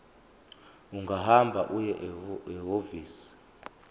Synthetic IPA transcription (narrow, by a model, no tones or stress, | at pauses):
uŋɡʱaɦambʱaʔujɛʔɛɦoviːsi̥